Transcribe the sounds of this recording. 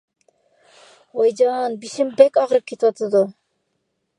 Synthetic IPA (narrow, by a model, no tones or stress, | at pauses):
ojd͡ʒɑnbiʃimbekɑʁɾɯp̚kʰʲet̪iwɑt̪ʰɯd̪u